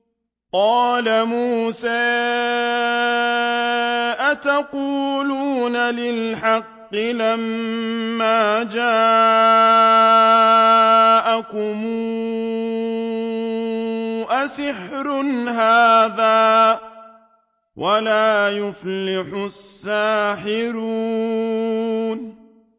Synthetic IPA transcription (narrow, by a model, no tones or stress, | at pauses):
qɑːlamuːsaː | ʔat̪aquːluːnalɪlħɑqːɪlamː | aːd͡ʒaː | ʔakʊmuː | ʔasɪħɾʊnɦaːðaː | wʔalaːjʊfllɪħʊsːaːħɪɾuː | n